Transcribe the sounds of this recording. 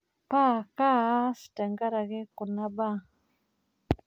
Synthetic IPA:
pa˦ka˦si̥˨ta˨ŋɡa˦ɾa˨ɣɛ˦ku˨na˦ba˦

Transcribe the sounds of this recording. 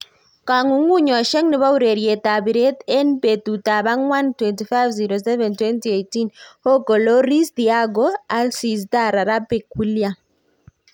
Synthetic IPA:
ka˨ŋuŋu˦ɲa˨ʃɛ˦ŋniβa˦uɾe˨ɾjeta˨βiɾɛ˦tɛ˦npetu˨ta˨βa˦ŋwa˦ntwɛntifajvziɾosɛ˦βɛ˨ntwɛntiejtinho˦kɔ˨lo˦ɾi˦sdiaɡoa˦lsis̬ta˦ɾa˨ɾa˦pekwilja

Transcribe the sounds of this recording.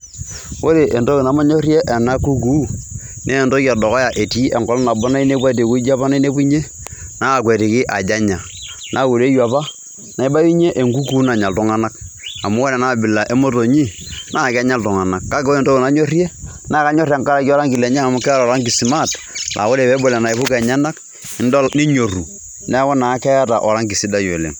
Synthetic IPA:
wo˦ɾe˨ʔe˨ndo˦ki˨na˨˦ma˦ɲo˦ɾje˦ʔa˨na˦ku˦k̬u˦ | neː˦˨ndo˦ka˨dɔ˨kɔ˦ja˨ʔe˨ti˦ʔɛ˨ŋkɔ˦lna˨bɔ˦na˦i˦ne˦pwa˦˨t̬e˨ku˦i˦d͡ʒa˦pa˦na˦i˦ne˦pu˦ɲe˦ | na˦a˨kwe˨te˨kɪ˦ʔa˨d͡ʒa˦ɲa˨ | nʔa˦ku˨ɾe˦jwa˨pa˦ | na˨i˦ba˦ji˦ɲe˦ʔe˨ŋɡu˦ku˦na˨ɲa˨ltʊ˦ŋa˦na˦k̚ | a˨mu˦wɔ˦lɛ˨na˦˨bɪ˨la˨ʔe˦mo˦to˨ɲi˦ | nʔa˦˨ka˦ɲa˦ltɔ˨ŋa˨na˨kːa˦ko˦e˨nto˦o˨na˨˦ɲo˦rje˦na˦ka˦ɲɔ˦rja˨ŋka˦ɾa˨ki˦ɔ˦ɾa˦ŋkɪ˨lɛ˨ɲa˦˨mʊ˦kɛ˦ɾa˨ɾa˦ŋki˨si˨ma˦˨tlʔa̰˨wo˦ɾe˨bɛ˦bo˨lɛ˨na˨ɪ˨pʊ˦kɛ˨ɲa˦na˦k | ɪ˦n˦dɔ˦ni˦ɲo˨ru˨ | nɛ˦wɔ˦na˨˦kɛ˦ja˦ta˨ʔɔ˨ɾa˦ŋki˨si˦da˦jo˨lḛ˨ŋ

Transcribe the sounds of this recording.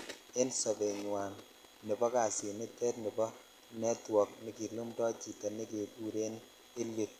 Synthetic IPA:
e˦nsɔ˨be˨ɲwa˨n | nɪ˨bɔ˦ka˨si˨mɪ˦tɛ˦tnɪ˨bɔ˦ | nɛ˦twɔ˨k̚nɪ˨ki˨lu˦mdɔ˦t͡ʃi˨ta˨nɪ˦ke˨bu˦ɾe˦n | ɪ˦lːi˨t̚

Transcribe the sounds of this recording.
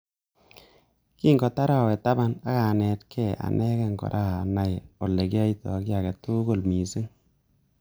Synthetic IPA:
ki˦ŋɡɔ˨ta˦ɾa˦˨wɛ˨ta˦ba˦na˦ka˨nɛ˨tkʰɛ˦˨ʔa̰˨nɛ˦kɛ˦ŋɡɔ̰˨ɾʔa˦˨a˨na˨jo˨lːe˨kja˦i˦tɔ̰˨kja˨kɛ˨tʊ˦ɡo˨lmi˨si˦ŋ

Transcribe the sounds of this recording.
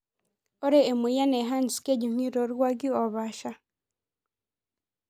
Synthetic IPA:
o˦ɾeː˦˨mu˨˦ja˦ne˨ɦa˦nsi̥˨ke˦ɟi˨m̥wi˦ɾo˨ɾwa˦ɡi˦o˨βaː˨ʃa˦

